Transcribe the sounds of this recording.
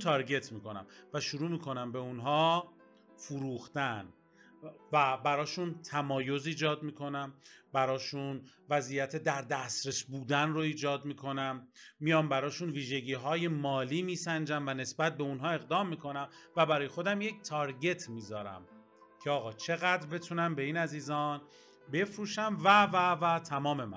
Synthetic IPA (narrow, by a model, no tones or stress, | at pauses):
t̪ʰɒɾɟe̞t̪ʰmiːko̞næ̰mvæʃuɾuːmiːkʰo̞næmbe̞unɦɒː | fuɾuːxt̪æn | væbæɾɒːʃunt̪ʰæmɒːjo̞ziːd͡ʒɒːd̪miːkʰo̞næmbæɾɒːʃunvæziːjæt̪ʰe̞d̪æɾd̪æst̪ɾe̞sbuːd̪ænro̞iːd͡ʒɒːd̪miːkʰo̞næmːijɒːmbæɾɒːʃunviːʒe̞ɟiːɦɒːje̞mɒːliːmiːsænd͡ʒæmvæne̞sbæt̪̚be̞unɦɒːe̞ɣd̪ɒːmːiːkʰo̞næmvæbæɾɒːjexo̞d̪æmject̪ʰɒɾɟe̞t̪ʰmiːzɒːɾæ̰m | cʰeɒːɣɒːt͡ʃʰe̞ɣæd̪ɾbe̞t̪ʰunæmbe̞iːnæziːzɒːn | be̞fɾuːʃæmvævævæt̪ʰæmɒːme̞mæ̰